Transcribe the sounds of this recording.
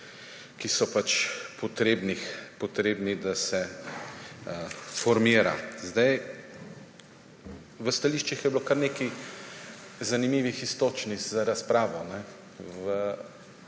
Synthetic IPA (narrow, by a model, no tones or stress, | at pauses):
kisɔpat͡ʃpɔt̪ɾeːbnixpɔt̪ɾeːbnid̪asɛ | əfɔɾmiːɾa̰zd̪aj | ʋəst̪aliːʃt͡ʃixjɛblokaɾneːki | zanimiːʋixist̪oːt͡ʃnizaɾaspɾaːʋɔnɛ | ʋə